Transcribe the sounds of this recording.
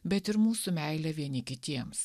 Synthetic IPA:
bʲɛt̪ɪɾmuːsʊmʲɛɪlʲɛʋʲiɛnʲɪkʲɪt̪ʲiɛms

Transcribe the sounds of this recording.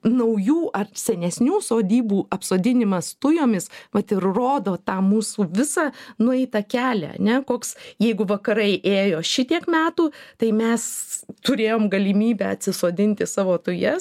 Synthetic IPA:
nɐʊjuːʔɐrsʲɛnʲɛsʲnʲuːsoːd̪ʲiːbuːɐpsoːd̪ʲɪnʲɪmɐst̪ʊjoːmʲɪsʋɐt̪ɪrroːd̪oːt̪ɑːmuːsuːʋʲɪsɑːnʊɛɪt̪ɐkʲæːlʲæ̰ɐ̰nʲɛkoːksjɛɪɡʊʋɐkɐɾɐɪʔeːjoːʃʲɪt̪ʲiɛkmʲæːt̪uːt̪ɐɪmʲɛst̪ʊɾʲeːjoːmɡɐlʲiːmʲiːbʲɛɐt̪ʲsʲɪsoːd̪ʲɪnʲt̪ʲɪsɑːʋoːt̪ʊjɛ

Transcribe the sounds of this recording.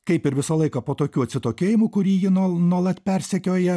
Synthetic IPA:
kɐɪpɪɾʋʲɪsɐlˠɐɪkɐpoːt̪oːkʲuːɐt̪ʲsʲɪt̪oːkʲeːjɪmuːkʊɾʲiːjɪnuɔnuɔlˠɐt̪ʲpʲɛɾʲsʲɛkʲoːjɛ

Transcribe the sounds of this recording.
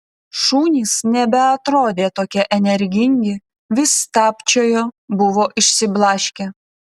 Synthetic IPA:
ʃuːnʲiːsnʲɛbʲɛɐt̪ɾoːd̪ʲeːt̪oːkʲɛʔɛnʲɛɾʲɡʲɪŋʲɡʲɪ | ʋʲɪst̪ɑːpʲt͡ʃʲoːjoːbʊʋoːʔɪʃʲsʲɪblˠɑːʃʲkʲe

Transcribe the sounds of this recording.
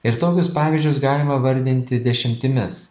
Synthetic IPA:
ɪɾt̪oːkʲʊspɑːʋʲɪʒʲd͡ʒʲʊs̬ɡɑːlʲɪmɐʋɐɾʲd̪ʲɪnʲt̪ʲɪd̪ʲɛʃʲɪmʲt̪ʲɪmʲɪs

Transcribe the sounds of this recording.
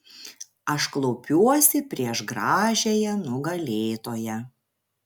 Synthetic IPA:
ɐʃklˠɔʊpʲuɔsʲɪpʲɾʲiɛʃɡɾɑːʒʲeːjɛnʊɡɐlʲeːt̪oːjɛ

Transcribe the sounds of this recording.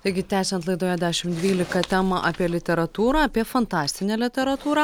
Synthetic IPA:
t̪ɐɪɡʲɪt̪ʲæːsʲɛnt̪lˠɐɪd̪oːjɛd̪ʲæːʃʲɪmd̪ʲʋʲiːlʲɪkɐt̪ʲæːmɐʔɑːpʲiɛlʲɪt̪ʲɛɾɐt̪uːɾɑɐpʲiɛfɐnt̪ɑːsʲt̪ʲɪnʲæːlʲɪt̪ʲɛɾɐt̪uːɾɐ

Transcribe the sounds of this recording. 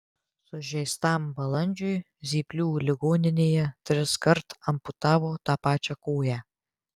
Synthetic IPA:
sʊʒʲɛjst̪ɑːmbɐlˠɐnʲd͡ʒʲʊj | zʲiːpʲlʲuːlʲɪɡoːnʲɪnʲeːjɛt̪ʲɾʲɪskɐɾt̪ɐmpʊt̪ɑːʋoːt̪ɑpɑːt͡ʃʲakoːjæ

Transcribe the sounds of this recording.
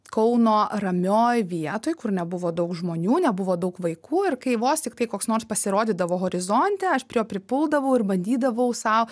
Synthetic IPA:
kɐʊnoːrɐmʲoːjʋʲiɛt̪oːjkʊrnʲɛbʊʋoːd̪ɐʊkʒmoːnʲuːnʲɛbʊʋoːd̪ɐʊkʋɐɪkuːɪrkɐɪʋoːst̪ʲɪkt̪ɐɪkoːksnoːɾspɐsʲɪɾoːd̪ʲiːd̪ɐʋoːɣoːɾʲɪzonʲt̪ʲɛɐʃpʲɾʲɪjoːpʲɾʲɪpʊlˠd̪ɐʋɐʊɪrbɐnʲd̪ʲiːd̪ɐʋɐʊsɐʊ

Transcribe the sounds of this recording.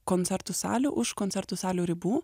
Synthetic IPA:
konʲt̪sʲɛɾt̪ʊsɑ̰ːlʲʊːʔʊʃkont̪ʲɛɾt̪ʊsɑːlʲoːɾʲɪbuː

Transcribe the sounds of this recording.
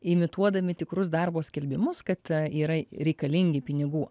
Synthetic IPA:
ɪmʲɪt̪uɔd̪ɐmʲɪt̪ʲɪkɾʊsd̪ɐrboːsʲkʲɛlʲbʲɪmʊskɐt̪iːɾɐɾʲɛɪkɐlʲɪŋʲɡʲɪpʲɪnʲɪɡuː

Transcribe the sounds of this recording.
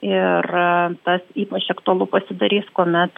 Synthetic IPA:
ɪrt̪ɐsiːpɐt͡ʃɐkt̪ʊɐlˠʊpɐsʲɪd̪ɐɾʲiːskoːmʲɛt̪

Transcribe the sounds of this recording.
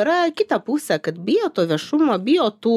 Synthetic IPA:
ɾɐkʲɪt̪ɐpuːsʲɛːkɐt̪bʲɪjoːt̪oːʋʲiɛʃʊmoːbʲɪjoːt̪uː

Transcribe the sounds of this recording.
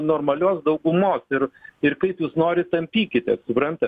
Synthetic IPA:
noːrmɐlʲoːsd̪ɐʊɡʊmoːsɪɾɪrkɐɪpjuːsnoːɾʲɪt̪ɐmʲpʲiːkʲɪt̪ʲɛsʊpɾɐnt̪ɐ

